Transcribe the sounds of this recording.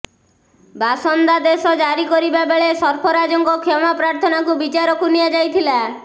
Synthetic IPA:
basɔnd̪ad̪esɔd͡ʒaɾikɔɾibabeɭesɔɾpʰɔɾad͡ʒɔŋkɔkʰɔmapɾaɾt̪ʰɔnakubit͡ʃaɾɔkuniad͡ʒajt̪ʰila

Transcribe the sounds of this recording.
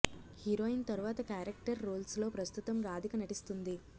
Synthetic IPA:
hiɾoːint̪ɐɾuʋaːt̪ɐkaːɾek̚ʈɐɾːoːlslo̞ːpɾɐst̪ut̪ɐmɾaːd̪ʱikɐnɐʈist̪und̪i

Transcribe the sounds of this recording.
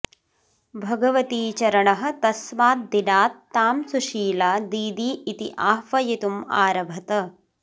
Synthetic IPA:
bʱɐɡɐʋɐt̪iːt͡ʃɐɾɐɳɐɦɐ̆t̪ɐsʋaːt̪̚d̪inaːt̪ːaːmsuʃiːlaːd̪iːd̪iːit̪iʔaːɦʋɐjit̪uma̰ːɾɐbʱɐt̪ɐ

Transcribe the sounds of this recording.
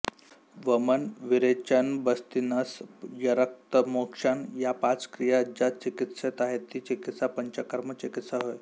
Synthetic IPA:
ʋəmənʋiɾet͡ɕənbəst̪inasjəɾək̚t̪əmokʂanjapat͡skɾijaːd͡ʑat͡ɕikit̪set̪aɦet̪ːiːt͡ɕikit̪sapəɲt͡ɕakəɾmət͡ɕikit̪saɦoj

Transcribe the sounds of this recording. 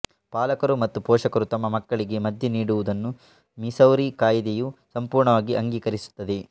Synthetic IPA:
paːlɐkɐɾumɐt̪ːupɔːʂɐkɐɾut̪ɐmːɐmɐkːɐɭiɡe̞mɐd̪ʱjɐniːɽuʋud̪ɐnːu | misɐwɾikaːjd̪ejusɐmpuːɾɳɐʋaːɡiʔɐŋɡiːkɐɾisu̥t̪ːɐd̪e̞

